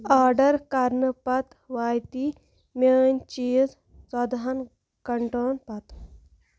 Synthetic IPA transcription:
aːɾɖɐɾkaɾnɨpɐt̪ | ʋaːjt̪i | mʲeːnʲt͡ʃiːz | sɐd̪ɦɐn | kɐɳʈoːnpɐt̪

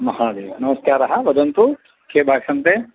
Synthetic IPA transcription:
mɐɦaːd̪eːʋɐnɐmɐskaːɾɐɦɐʋɐd͡ʒ̪ɐnt̪u | kʰeːbʱaːɡsɐnt̪e

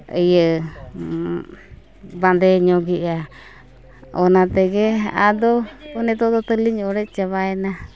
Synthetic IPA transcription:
əjə | band̪eɲõɡiʔa | onãt̪eɡea̰d̪oonẽt̪od̪ot̪əliɲɾet͡ʃaβaenã

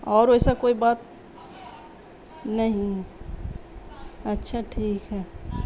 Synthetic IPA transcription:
ɔːɾojsakoːibaːt̪̚ | nəɦĩ | ətːʃʰaʈʰiːkɦɛː

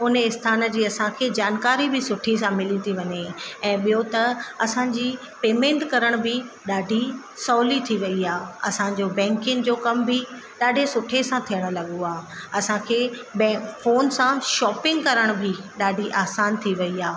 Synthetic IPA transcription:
ʊnəɪst̪ʰaːnə̆d͡ʑiːɐsãkʰeːd͡ʑaːnkaːɾibʱɪsʊʈʰis̬ãmɪlit̪ʰiʋɐɲeɛ̃ːɓijot̪ɐɐsãd͡ʑiː | peːmẽːɳʈkɐɾəɽ̃bʱɪ | ɗaːɖʱi | sɔːlit̪ʰiʋɐiaːɐsãd͡ʑoːbɛ̃ːŋkɪŋd͡ʑoːkɐmbʱɪ | ɗaːɖʱesʊʈʰesãt̪ʰijəɽ̃ʊ̆lɐɠoaːɐsãkʰeːbɛ̃foːnsãʃɔːpɪ̃ŋɡkɐɾəɽ̃bʱɪɗaːɖʱiʔaːsaːnt̪ʰiʋɐiaː

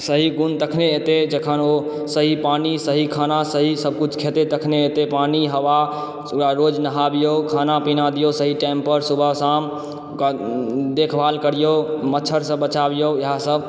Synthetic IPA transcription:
səɦiɡunt̪əkʰneet̪ed͡ʒəkʰəno | səɦipanisəɦikʰanasəɦisəb̚kut͡ʃʰkʰet̪et̪əkʰneet̪epaniɦəʋa | aɾod͡ʒnəɦabijokʰanapinad̪ijosəɦiʈampəɾsubʱəsam | kad̪ekʰbalkəɾijomətːt͡ʃʰəɾsə̃bət͡ʃabijoeɦãsəb

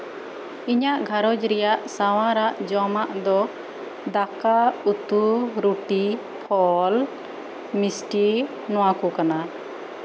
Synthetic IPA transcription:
iɲaʔɡʱaɾɔd͡ʒɾɛjaʔsawãɾaʔd͡ʒɔmaʔd̪ɔ | d̪akaut̪uɾuʈi | pʰɔl | misʈi | nɔwakɔkana

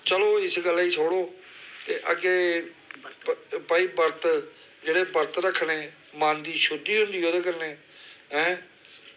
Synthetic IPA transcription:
t͡ʃəloːɪsɡəlːiːsʰoːɽoːt̪eːʔəkeː | paːiːpəɾt̪ | d͡ʒeːɽeːpəɾt̪ɾəkʰːneː | mãːnd̪iːʃʊd̪iːɦʊ̃nd̪iːoːd̪eːkəɾneː | ɦɛ̃ː

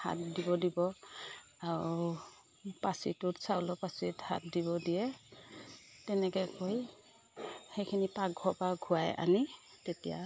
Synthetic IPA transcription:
ha̰t̚dibɔdibɔ | aɹ | pasitʊtsawlɔpasitha̰t̚diβɔdijɛ | tɛnɛkɛkoj | hejkʰinipaɡʱɔpaɡʱuajʔa̰ni | tetija̰

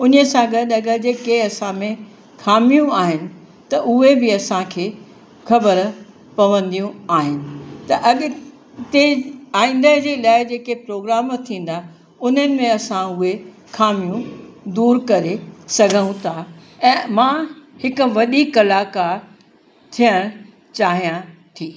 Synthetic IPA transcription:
ʊnəsãɡɐɗɐɠəd͡ʑeːkeɐsãmẽ | xʰaːmijũaːɦɪnɪ̆ | t̪ɐʔʊɦebɪɐsãkʰeː | xʰɐbəɾ | pɐʋə̃nd̪ijũaːɦɪnɪ̆t̪ɐʔɐɠ | t̪eaːĩːn̆d̪əd͡ʑeːlaːɪd͡ʑeːkepɾoːɡɾaːmt̪ʰĩːn̆d̪a | ʊn̤ənɪ̆mẽɐsãʊɦe | xʰaːmijũd̪uːɾkɐɾesɐɡʱə̃ũt̪ʰa | ɛ̃ːmãːhɪkʊ̆ʋɐɗikɐlaːka | t̪ʰijəɽ̃ | t͡ɕaːɦijãt̪ʰiː

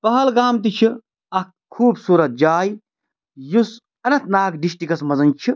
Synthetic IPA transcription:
pɐɦɐlɡaːmt̪̬it͡ʃʰi | ɐ | kʰuːbsuːɾɐt̪̚d͡ʒaːj | jus | ɐnɐ̃t̪naːkɖisʈikɐsmɐzɐnt͡ʃʰi

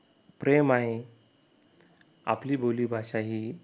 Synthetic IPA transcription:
pɾemaɦe | a̰pliːboliːbʱaɕaɦiː

